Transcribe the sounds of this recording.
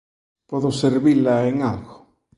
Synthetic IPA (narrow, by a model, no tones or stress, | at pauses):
pɔðʊseɾβilaeŋalɣʊ